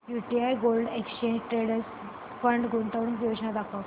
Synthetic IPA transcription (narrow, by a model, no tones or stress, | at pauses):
juʈiajɡolɖekst͡ɕẽɲd͡ʑʈɾeɽəɾs | fəɳɖɡunt̪aʋɽũŋod͡ʑnad̪akʰa